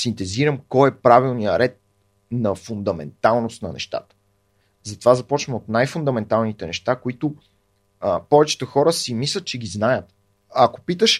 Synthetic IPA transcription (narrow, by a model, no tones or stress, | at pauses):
sint̪ɛziɾəmkɔjɛpɾavilˠnijəɾɛt̪̚ | nɐfund̪ɐmɛ̰nt̪alˠnost̪nɐ̰nɛ̰ʃt̪a̰t̪ə̥ | zɐt̪ovazɐpɔt͡ʃvəmot̪najfʊnd̪ɐmɛnt̪alˠnit̪ɛnɛʃt̪akoit̪ʊ | pɔvɛt͡ʃɛ̥t̪əxɔɾəsimislʲət̪̚t͡ʃɛɡiznajət̪ | ɐko̥pit̪əʃ